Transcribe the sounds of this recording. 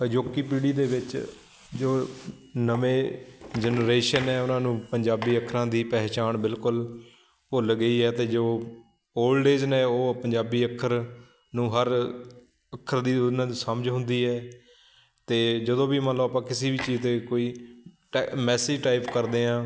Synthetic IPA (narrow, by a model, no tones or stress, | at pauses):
əd͡ʒoːkiːpiːɽiːd̪eːʋɪt͡ʃ | d͡ʒoː | nəʋẽːd͡ʒənɾeːʃənɛːʊnãːnũːpəɲd͡ʒaːbiːəkʰɾãːd̪iːpɛːɦt͡ʃaːnbɪlkʊl | olɡəiːɛːt̪eːd͡ʒoː | oːlɖeːd͡ʒnẽːoːpəɲd͡ʒaːbiːəkʰːəɾ | nũːɦəɾ | əkʰːəɾd̪iːnãːisəməd͡ʒɦʊ̃nd̪iːɦɛː | t̪eːd͡ʒəd̪õːbiːmə̃nloːaːpãːkɪseːbiːt͡ʃiːzt̪eːkoːiːʈmɛːsiːʈaːɪpkəɾd̪eːãː